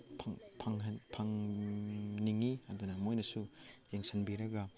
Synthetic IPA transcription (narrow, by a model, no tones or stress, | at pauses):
pʰŋpʰaŋɦɐnpʰaŋ | niŋiɐd̪unɐmojnɐsujeŋsɐnbiɾɐɡɐ